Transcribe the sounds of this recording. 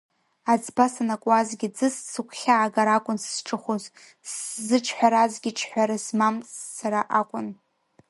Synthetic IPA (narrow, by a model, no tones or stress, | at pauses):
ad͡zbasanakʷʼazɡʲid͡zɨssɨkʷʰχʲaʕːɡaɾakʷʼʊnsʈ͡ʂʼɨχʷoz | szɨʈ͡ʂʰħʷᶣaɾazɡʲɪʈ͡ʂʰħʷᶣaɾasmamːaɾaʔakʷʼʊn